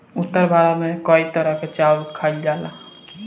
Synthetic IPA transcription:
ut̪ːəɾbʱaɾamekɔit̪əɾaket͡ʃaulkʰaild͡ʒala

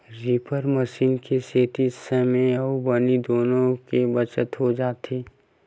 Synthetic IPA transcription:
ɾipʰəɾməʃiːnkeseːt̪isəmẽəbənid̪oːnõkebət͡ʃət̪ɦod͡ʒaːt̪ʰiː

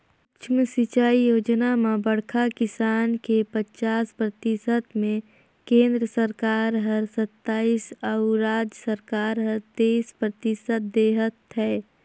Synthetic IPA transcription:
t͡ʃʰməsɪt͡ʃaːijoːd͡ʒnamẽbəɽ̤kʰakɪsaːnkepət͡ʃaːspɾət̪ɪsət̪mẽ | kẽːnd̪ɾəsəɾkaːɾɦəɾsət̪ːaːiːsəuɾaːd͡ʒsəɾkaːɾɦəɾt̪eispɾət̪ɪsət̪̚d̪eːɦət̪ɦɛː

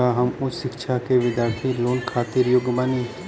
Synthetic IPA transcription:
aɦɐmʊsʃɪkʃʰakeʋɪd̪ʱjaːɾt̪ʰiloːnkʰaːt̪ɪɾjʊɡʋaːni

